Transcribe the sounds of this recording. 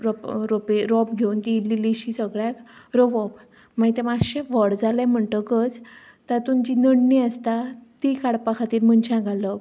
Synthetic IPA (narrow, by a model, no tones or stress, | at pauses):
ɾɔpɾopeɾɔpɡʱeunt̪ililiɕisəɡɭjakɾoʋɔp | mait̪ẽʋaəɕeʋəɽd͡zalam̤əɳt̪əɡət͡s | t̪at̪umd͡ʑinəɽniəst̪at̪ikaɽpakʰat̪iːlm̤ənt͡ɕãɡʱalə